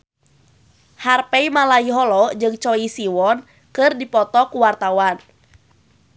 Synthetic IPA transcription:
harpɛimalaiɦɔlɔd͡ʒɨŋt͡ʃɔisiwɔn | kɨrdipɔt̪ɔkuwart̪awan

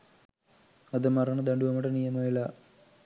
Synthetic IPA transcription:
ɐðɨmɐrɐɳɐd̪ɐɳɖuʋɐmɐɽɐnijɐmɐjilɐ

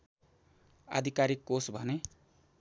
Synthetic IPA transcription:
a̰d̪ʱikaɾikːosbʱʌne

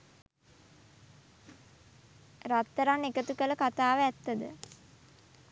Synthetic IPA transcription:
rat̪ːəɾanːekət̪ukələkat̪aːʋəæt̪ːəd̪ə̰

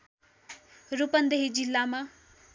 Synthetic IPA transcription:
rupʌnd̪eɦid͡zilːama

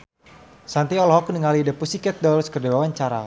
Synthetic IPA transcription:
sant̪iɔlɦɔknəŋalidəpusikɛt̪̚dɔlskərdawawaɲt͡ʃaɾa̰

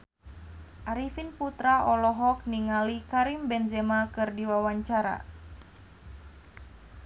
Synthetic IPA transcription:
ʔaɾifinput̪ɾaʔɔlɔɦɔk̚niŋalikaɾimbɛnzɛmakɨrdiwawaɲt͡ʃaɾa̰

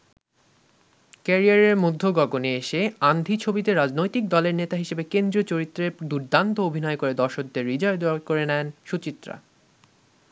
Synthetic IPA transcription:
kɛɾiaɾeɾmud̪ʱːoɡɔɡoneeʃeand̪ʱit͡ɕʰobit̪eɾad͡ʑnojt̪ik̚d̪ɔleɾnet̪aɦiʃebekend̪ɾiot͡ɕoɾit̪ːɾed̪uɾd̪ant̪oobʱinɔekoɾed̪ɔɾʃok̚d̪eɾid͡ʑɔed̪koɾenɛnʃut͡ɕit̪ːɾa̰

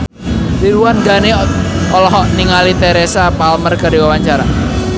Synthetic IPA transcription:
tiɾuwanɡaneɔlɔɦɔʔniŋalit̪ɛɾesapalmərkadiwawaɲt͡ʃaɾa

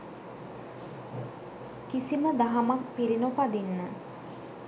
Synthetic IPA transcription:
kisiməd̪aɦamak̚piɾinopad̪inːə

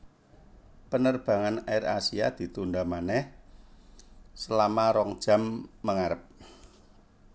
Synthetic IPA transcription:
pənərb̥ä̤ŋanaɪra̰sia̰d̪̥i̤t̪und̪amanɛh | səlamaɾɔŋd̥ʒ̥a̤mːəŋaɾəp̚

